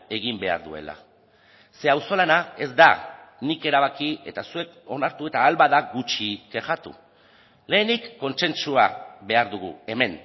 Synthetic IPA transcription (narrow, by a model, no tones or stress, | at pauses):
e̞ɣimbe̞a̰ɾðue̞̰la̰ | se̞awso̞lanae̞zd̪anike̞ɾaβ̞akie̞t̪asue̞k | o̞naɾt̪ue̞t̪aːlβaðaɡut͡ʃikeʝat̪ṵ | le̞ːnikːo̞nse̞nt͡ʃuaβe̞aɾðuɣ̞ṵe̞me̞n